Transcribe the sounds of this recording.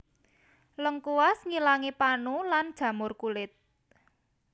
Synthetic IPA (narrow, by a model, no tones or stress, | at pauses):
ləŋkuwasŋilaŋepanuland̥ʒ̥ä̤mʊrkulɪt̪̚